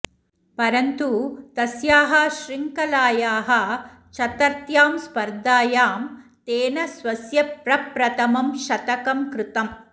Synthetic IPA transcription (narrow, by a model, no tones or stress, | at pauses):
pɐɾɐnt̪ut̪ɐsjaːɦɐʃɾiŋkɐlaːjaːɦɐ | ʃɐt̪ɐɾt̪jaːmspɐɾd̪aːjaːmt̪eːnɐsʋɐsjɐpɾɐpɾɐt̪ɐmɐmʃɐt̪ɐkɐmkɾɪt̪ɐm